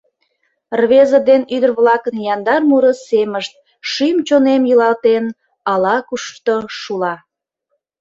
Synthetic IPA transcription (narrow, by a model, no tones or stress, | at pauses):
rβezəd̪enyd̪ərβlɑkənjɑnd̪ɑrmuɾəseməʃt̪̚ | ʃymt͡ɕonemjəlɑlt̪en | ɑlɑkuʃt̪oʃulɑ